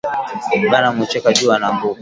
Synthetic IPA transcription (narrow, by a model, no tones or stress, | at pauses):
ɓanamut͡ʃɛkad͡ʒuanambu